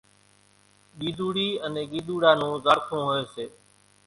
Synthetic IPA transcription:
ɠiːd̪ʱuːɽiːənẽːɠiːd̪ʱuːɽaːnũːzaːɾt̪ʰõːɦoeːseː

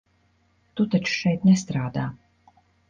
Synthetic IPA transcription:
t̪ut̪at͡ʃu̥ʃɛjt̪nɛst̪ɾaːd̪aː

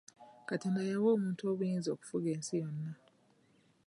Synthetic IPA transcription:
kateːndajawo̞ːmuːntuo̞ːβujiːnzo̞ːku̥fuɡe̞ːnsijonːa

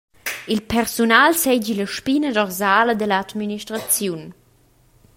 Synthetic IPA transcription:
ilpɛɾsunalsɛd͡ʑiləʃpinədɔrzaːləd̪əlad̪miniʃtɾat͡sjun

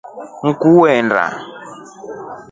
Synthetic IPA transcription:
ŋ̩kuwɛnda̰

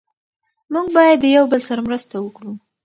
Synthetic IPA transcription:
muɡ̚bɑjad̪ːəjawbəlsaɾamɾəst̪awəkɽu

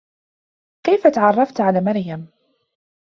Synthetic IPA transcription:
kajfat̪aʕɑrˤːɑft̪ʕalaːmɑɾjam

